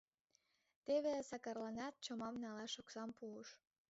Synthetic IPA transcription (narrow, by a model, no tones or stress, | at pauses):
t̪eβesɑkɑrlɑnɑt̪̚t͡ɕomɑmnɑlɑʃoksɑmpuəʃ